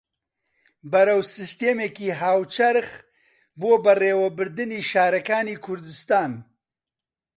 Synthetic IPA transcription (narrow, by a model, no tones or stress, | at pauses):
bɐɾɐwsɨst̪eːmeːkiːɦaːwt͡ʃʰɐɾx | boːbɐreːwɐbɨɾd̪ɨniːʃaːɾɐkaːniːkʰʊɾd̪ɨst̪aːn